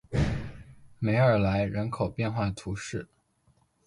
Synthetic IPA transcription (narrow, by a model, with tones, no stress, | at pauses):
me˧˥ɪə˞˨˩la˧˥ɪɻə˧˥nkʰo˨˩ʊpjɛ˥˧nxwa˥˩ət̪ʰu˧˥ʂɻ̩˥˩